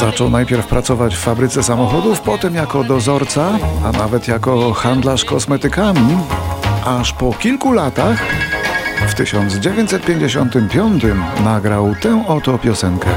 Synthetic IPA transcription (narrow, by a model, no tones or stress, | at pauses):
zat͡ʂɔwnajpʲjɛɾfpɾat̪sɔvat͡ɕfːabɾɘt̪sɛsamɔxɔd̪ufpɔt̪ɛmjakɔd̪ɔzɔɾt̪saana̰vɛt̪jakɔxand̪laʂkɔsmɛt̪ɘkamʲi | ʔaʂpɔkʲilkulat̪ax | ft̪ɘɕɔnd̪zd͡ʑevʲjɛɲt͡ɕʲsɛt̪̚pʲjeɲd͡ʑeɕɔnt̪ɘmpʲjɔnt̪ɘmnaɡɾawt̪ɛw̃ɔt̪ɔpʲjɔsɛŋkɛ